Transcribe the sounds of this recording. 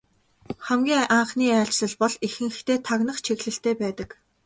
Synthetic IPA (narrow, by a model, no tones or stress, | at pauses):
χæmɡʲiːŋaɴχniːæːɬt͡ɕɮə̆ɮpɔɮixɘ̆ŋxt̪eːt̪ʰaɣnə̆χt͡ɕʰeɣɮɘ̆ɬt̪eːpæːt̪ə̆k